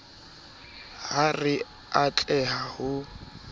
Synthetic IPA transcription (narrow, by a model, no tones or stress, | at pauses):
ɦarɪ | at͡ɬʼɛɦahʊ